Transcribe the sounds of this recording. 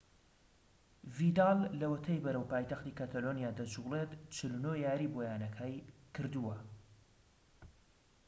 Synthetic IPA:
vid̪ɑlːɐwɐt̪ʰɐjbɐɾəwpaːjt̪ɐxt̪iːkat̪ʰalonijaːd̪ɐd͡ʒulet̪t͡ʃʰɨlunojaːɾibojaːnɐkʰajkʰɨɾd̪uwɐ

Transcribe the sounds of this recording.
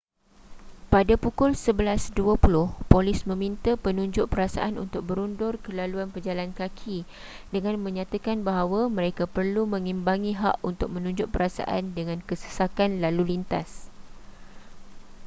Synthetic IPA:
padapukʊlsəbəlasduapulʊhpolɪsmə̃mĩnt̪əpənũɲd͡ʒʊʔpəɾasa̰ʔanunt̪ʊk̚bəɾundʊrkəlaluanpərd͡ʒalankakʰi | dəŋãnmə̃ɲãt̪akanbaɦawamə̃ɾekapərlumə̃ŋĩmbaŋĩɦa̰ʔunt̪ʊk̚mə̃nũɲd͡ʒʊʔpəɾasa̰ʔa̰ndəŋãnkəsə̥sakanlalulint̪as

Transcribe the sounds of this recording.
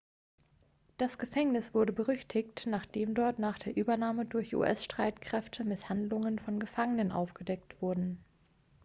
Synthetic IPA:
d̥asɡ̥əfɛŋnɪsv̥ʊɐdəbəʁʏçtʰɪçtnaːχd̥eːmdɔɐtnaːχd̥eːɐʔyːbɐnaːmədʊɐçʔṵːʔɛsʃtʁ̥aɪtkʁ̥ɛftʰəmɪshandlʊŋənfɔnɡəfaŋənənʔa̰ʊfɡ̥ədɛk̚tv̥ʊɐdn̩

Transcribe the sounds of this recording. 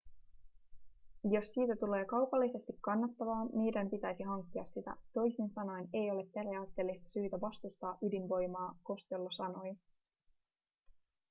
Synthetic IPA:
jo̞sːiːt̪æt̪ule̞ːkɑwpɑlːise̞st̪ikːɑnːɑt̪ːɑʋɑːnnijdæmpit̪æjsiɦɑŋkːiɑsːit̪æ̰t̪o̞jsinsɑno̞jne̞jo̞le̞pːe̞riɑːt̪ːe̞ːlːist̪ɑ̥syːt̪æʋɑst̪ust̪ɑːʔydinʋo̞jmɑːko̞st̪elːɑsɑno̞j

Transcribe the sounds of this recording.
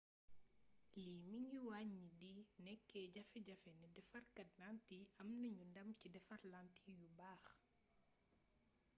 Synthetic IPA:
limiɲiwaɲːidinɛkːɛːɟɐfɛɟɐfɛnidɛfɐrkɐt̚nantiɐmnɐɲundɐmcidɛfɐrlantijubaːx

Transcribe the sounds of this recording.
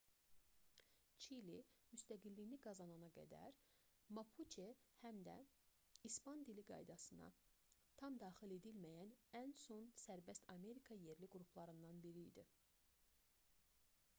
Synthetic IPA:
t͡ʃʰilimyst̪æɡilːijniɡɑzɑnɑnɑɡæ̰d̪æ̰ɾmɑpʰut͡ʃʰehæmd̪æ̰ | ispɑnd̪iliɡɑ̰jd̪ɑsɯnɑ̰t̪ʰɑmd̪ɑːxile̞d̪ilmæjænænso̞nsæɾbæst̪ʰɑme̞ɾikʰɑje̞ɾliɡɾupʰlˠɑɾɯnd̪ɑnbiɾḭːd̪i

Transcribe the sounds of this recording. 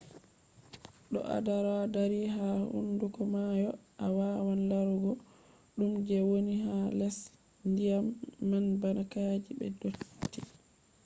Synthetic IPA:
ɗɔ̰ʔa̰daɾadaɾiɦahṵndukɔmajɔʔawaːwanlaɾuɡɔ | ɗumd͡ʒɛwoniɦalɛs | ndijamːanbanakad͡ʒibɛ̰dotːi

